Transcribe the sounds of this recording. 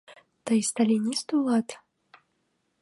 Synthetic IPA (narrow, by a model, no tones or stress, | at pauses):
t̪ajst̪alʲinʲist̪ulˠat̪